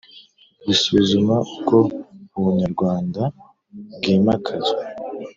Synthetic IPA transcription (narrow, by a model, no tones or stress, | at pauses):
βisuβizumauko̞uβuɲaɾɡwaːnda | b̚ɡiːmakʰaze